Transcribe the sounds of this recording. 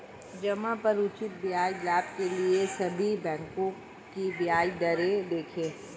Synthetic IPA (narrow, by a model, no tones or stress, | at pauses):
d͡ʒɐmãpɐɾʊt͡ʃɪt̪̚bɪjaːilaːp̚keliesɐbʱibɛ̃ːŋkõ | kibɪjaːid̪ɐɾed̪eːkʰẽː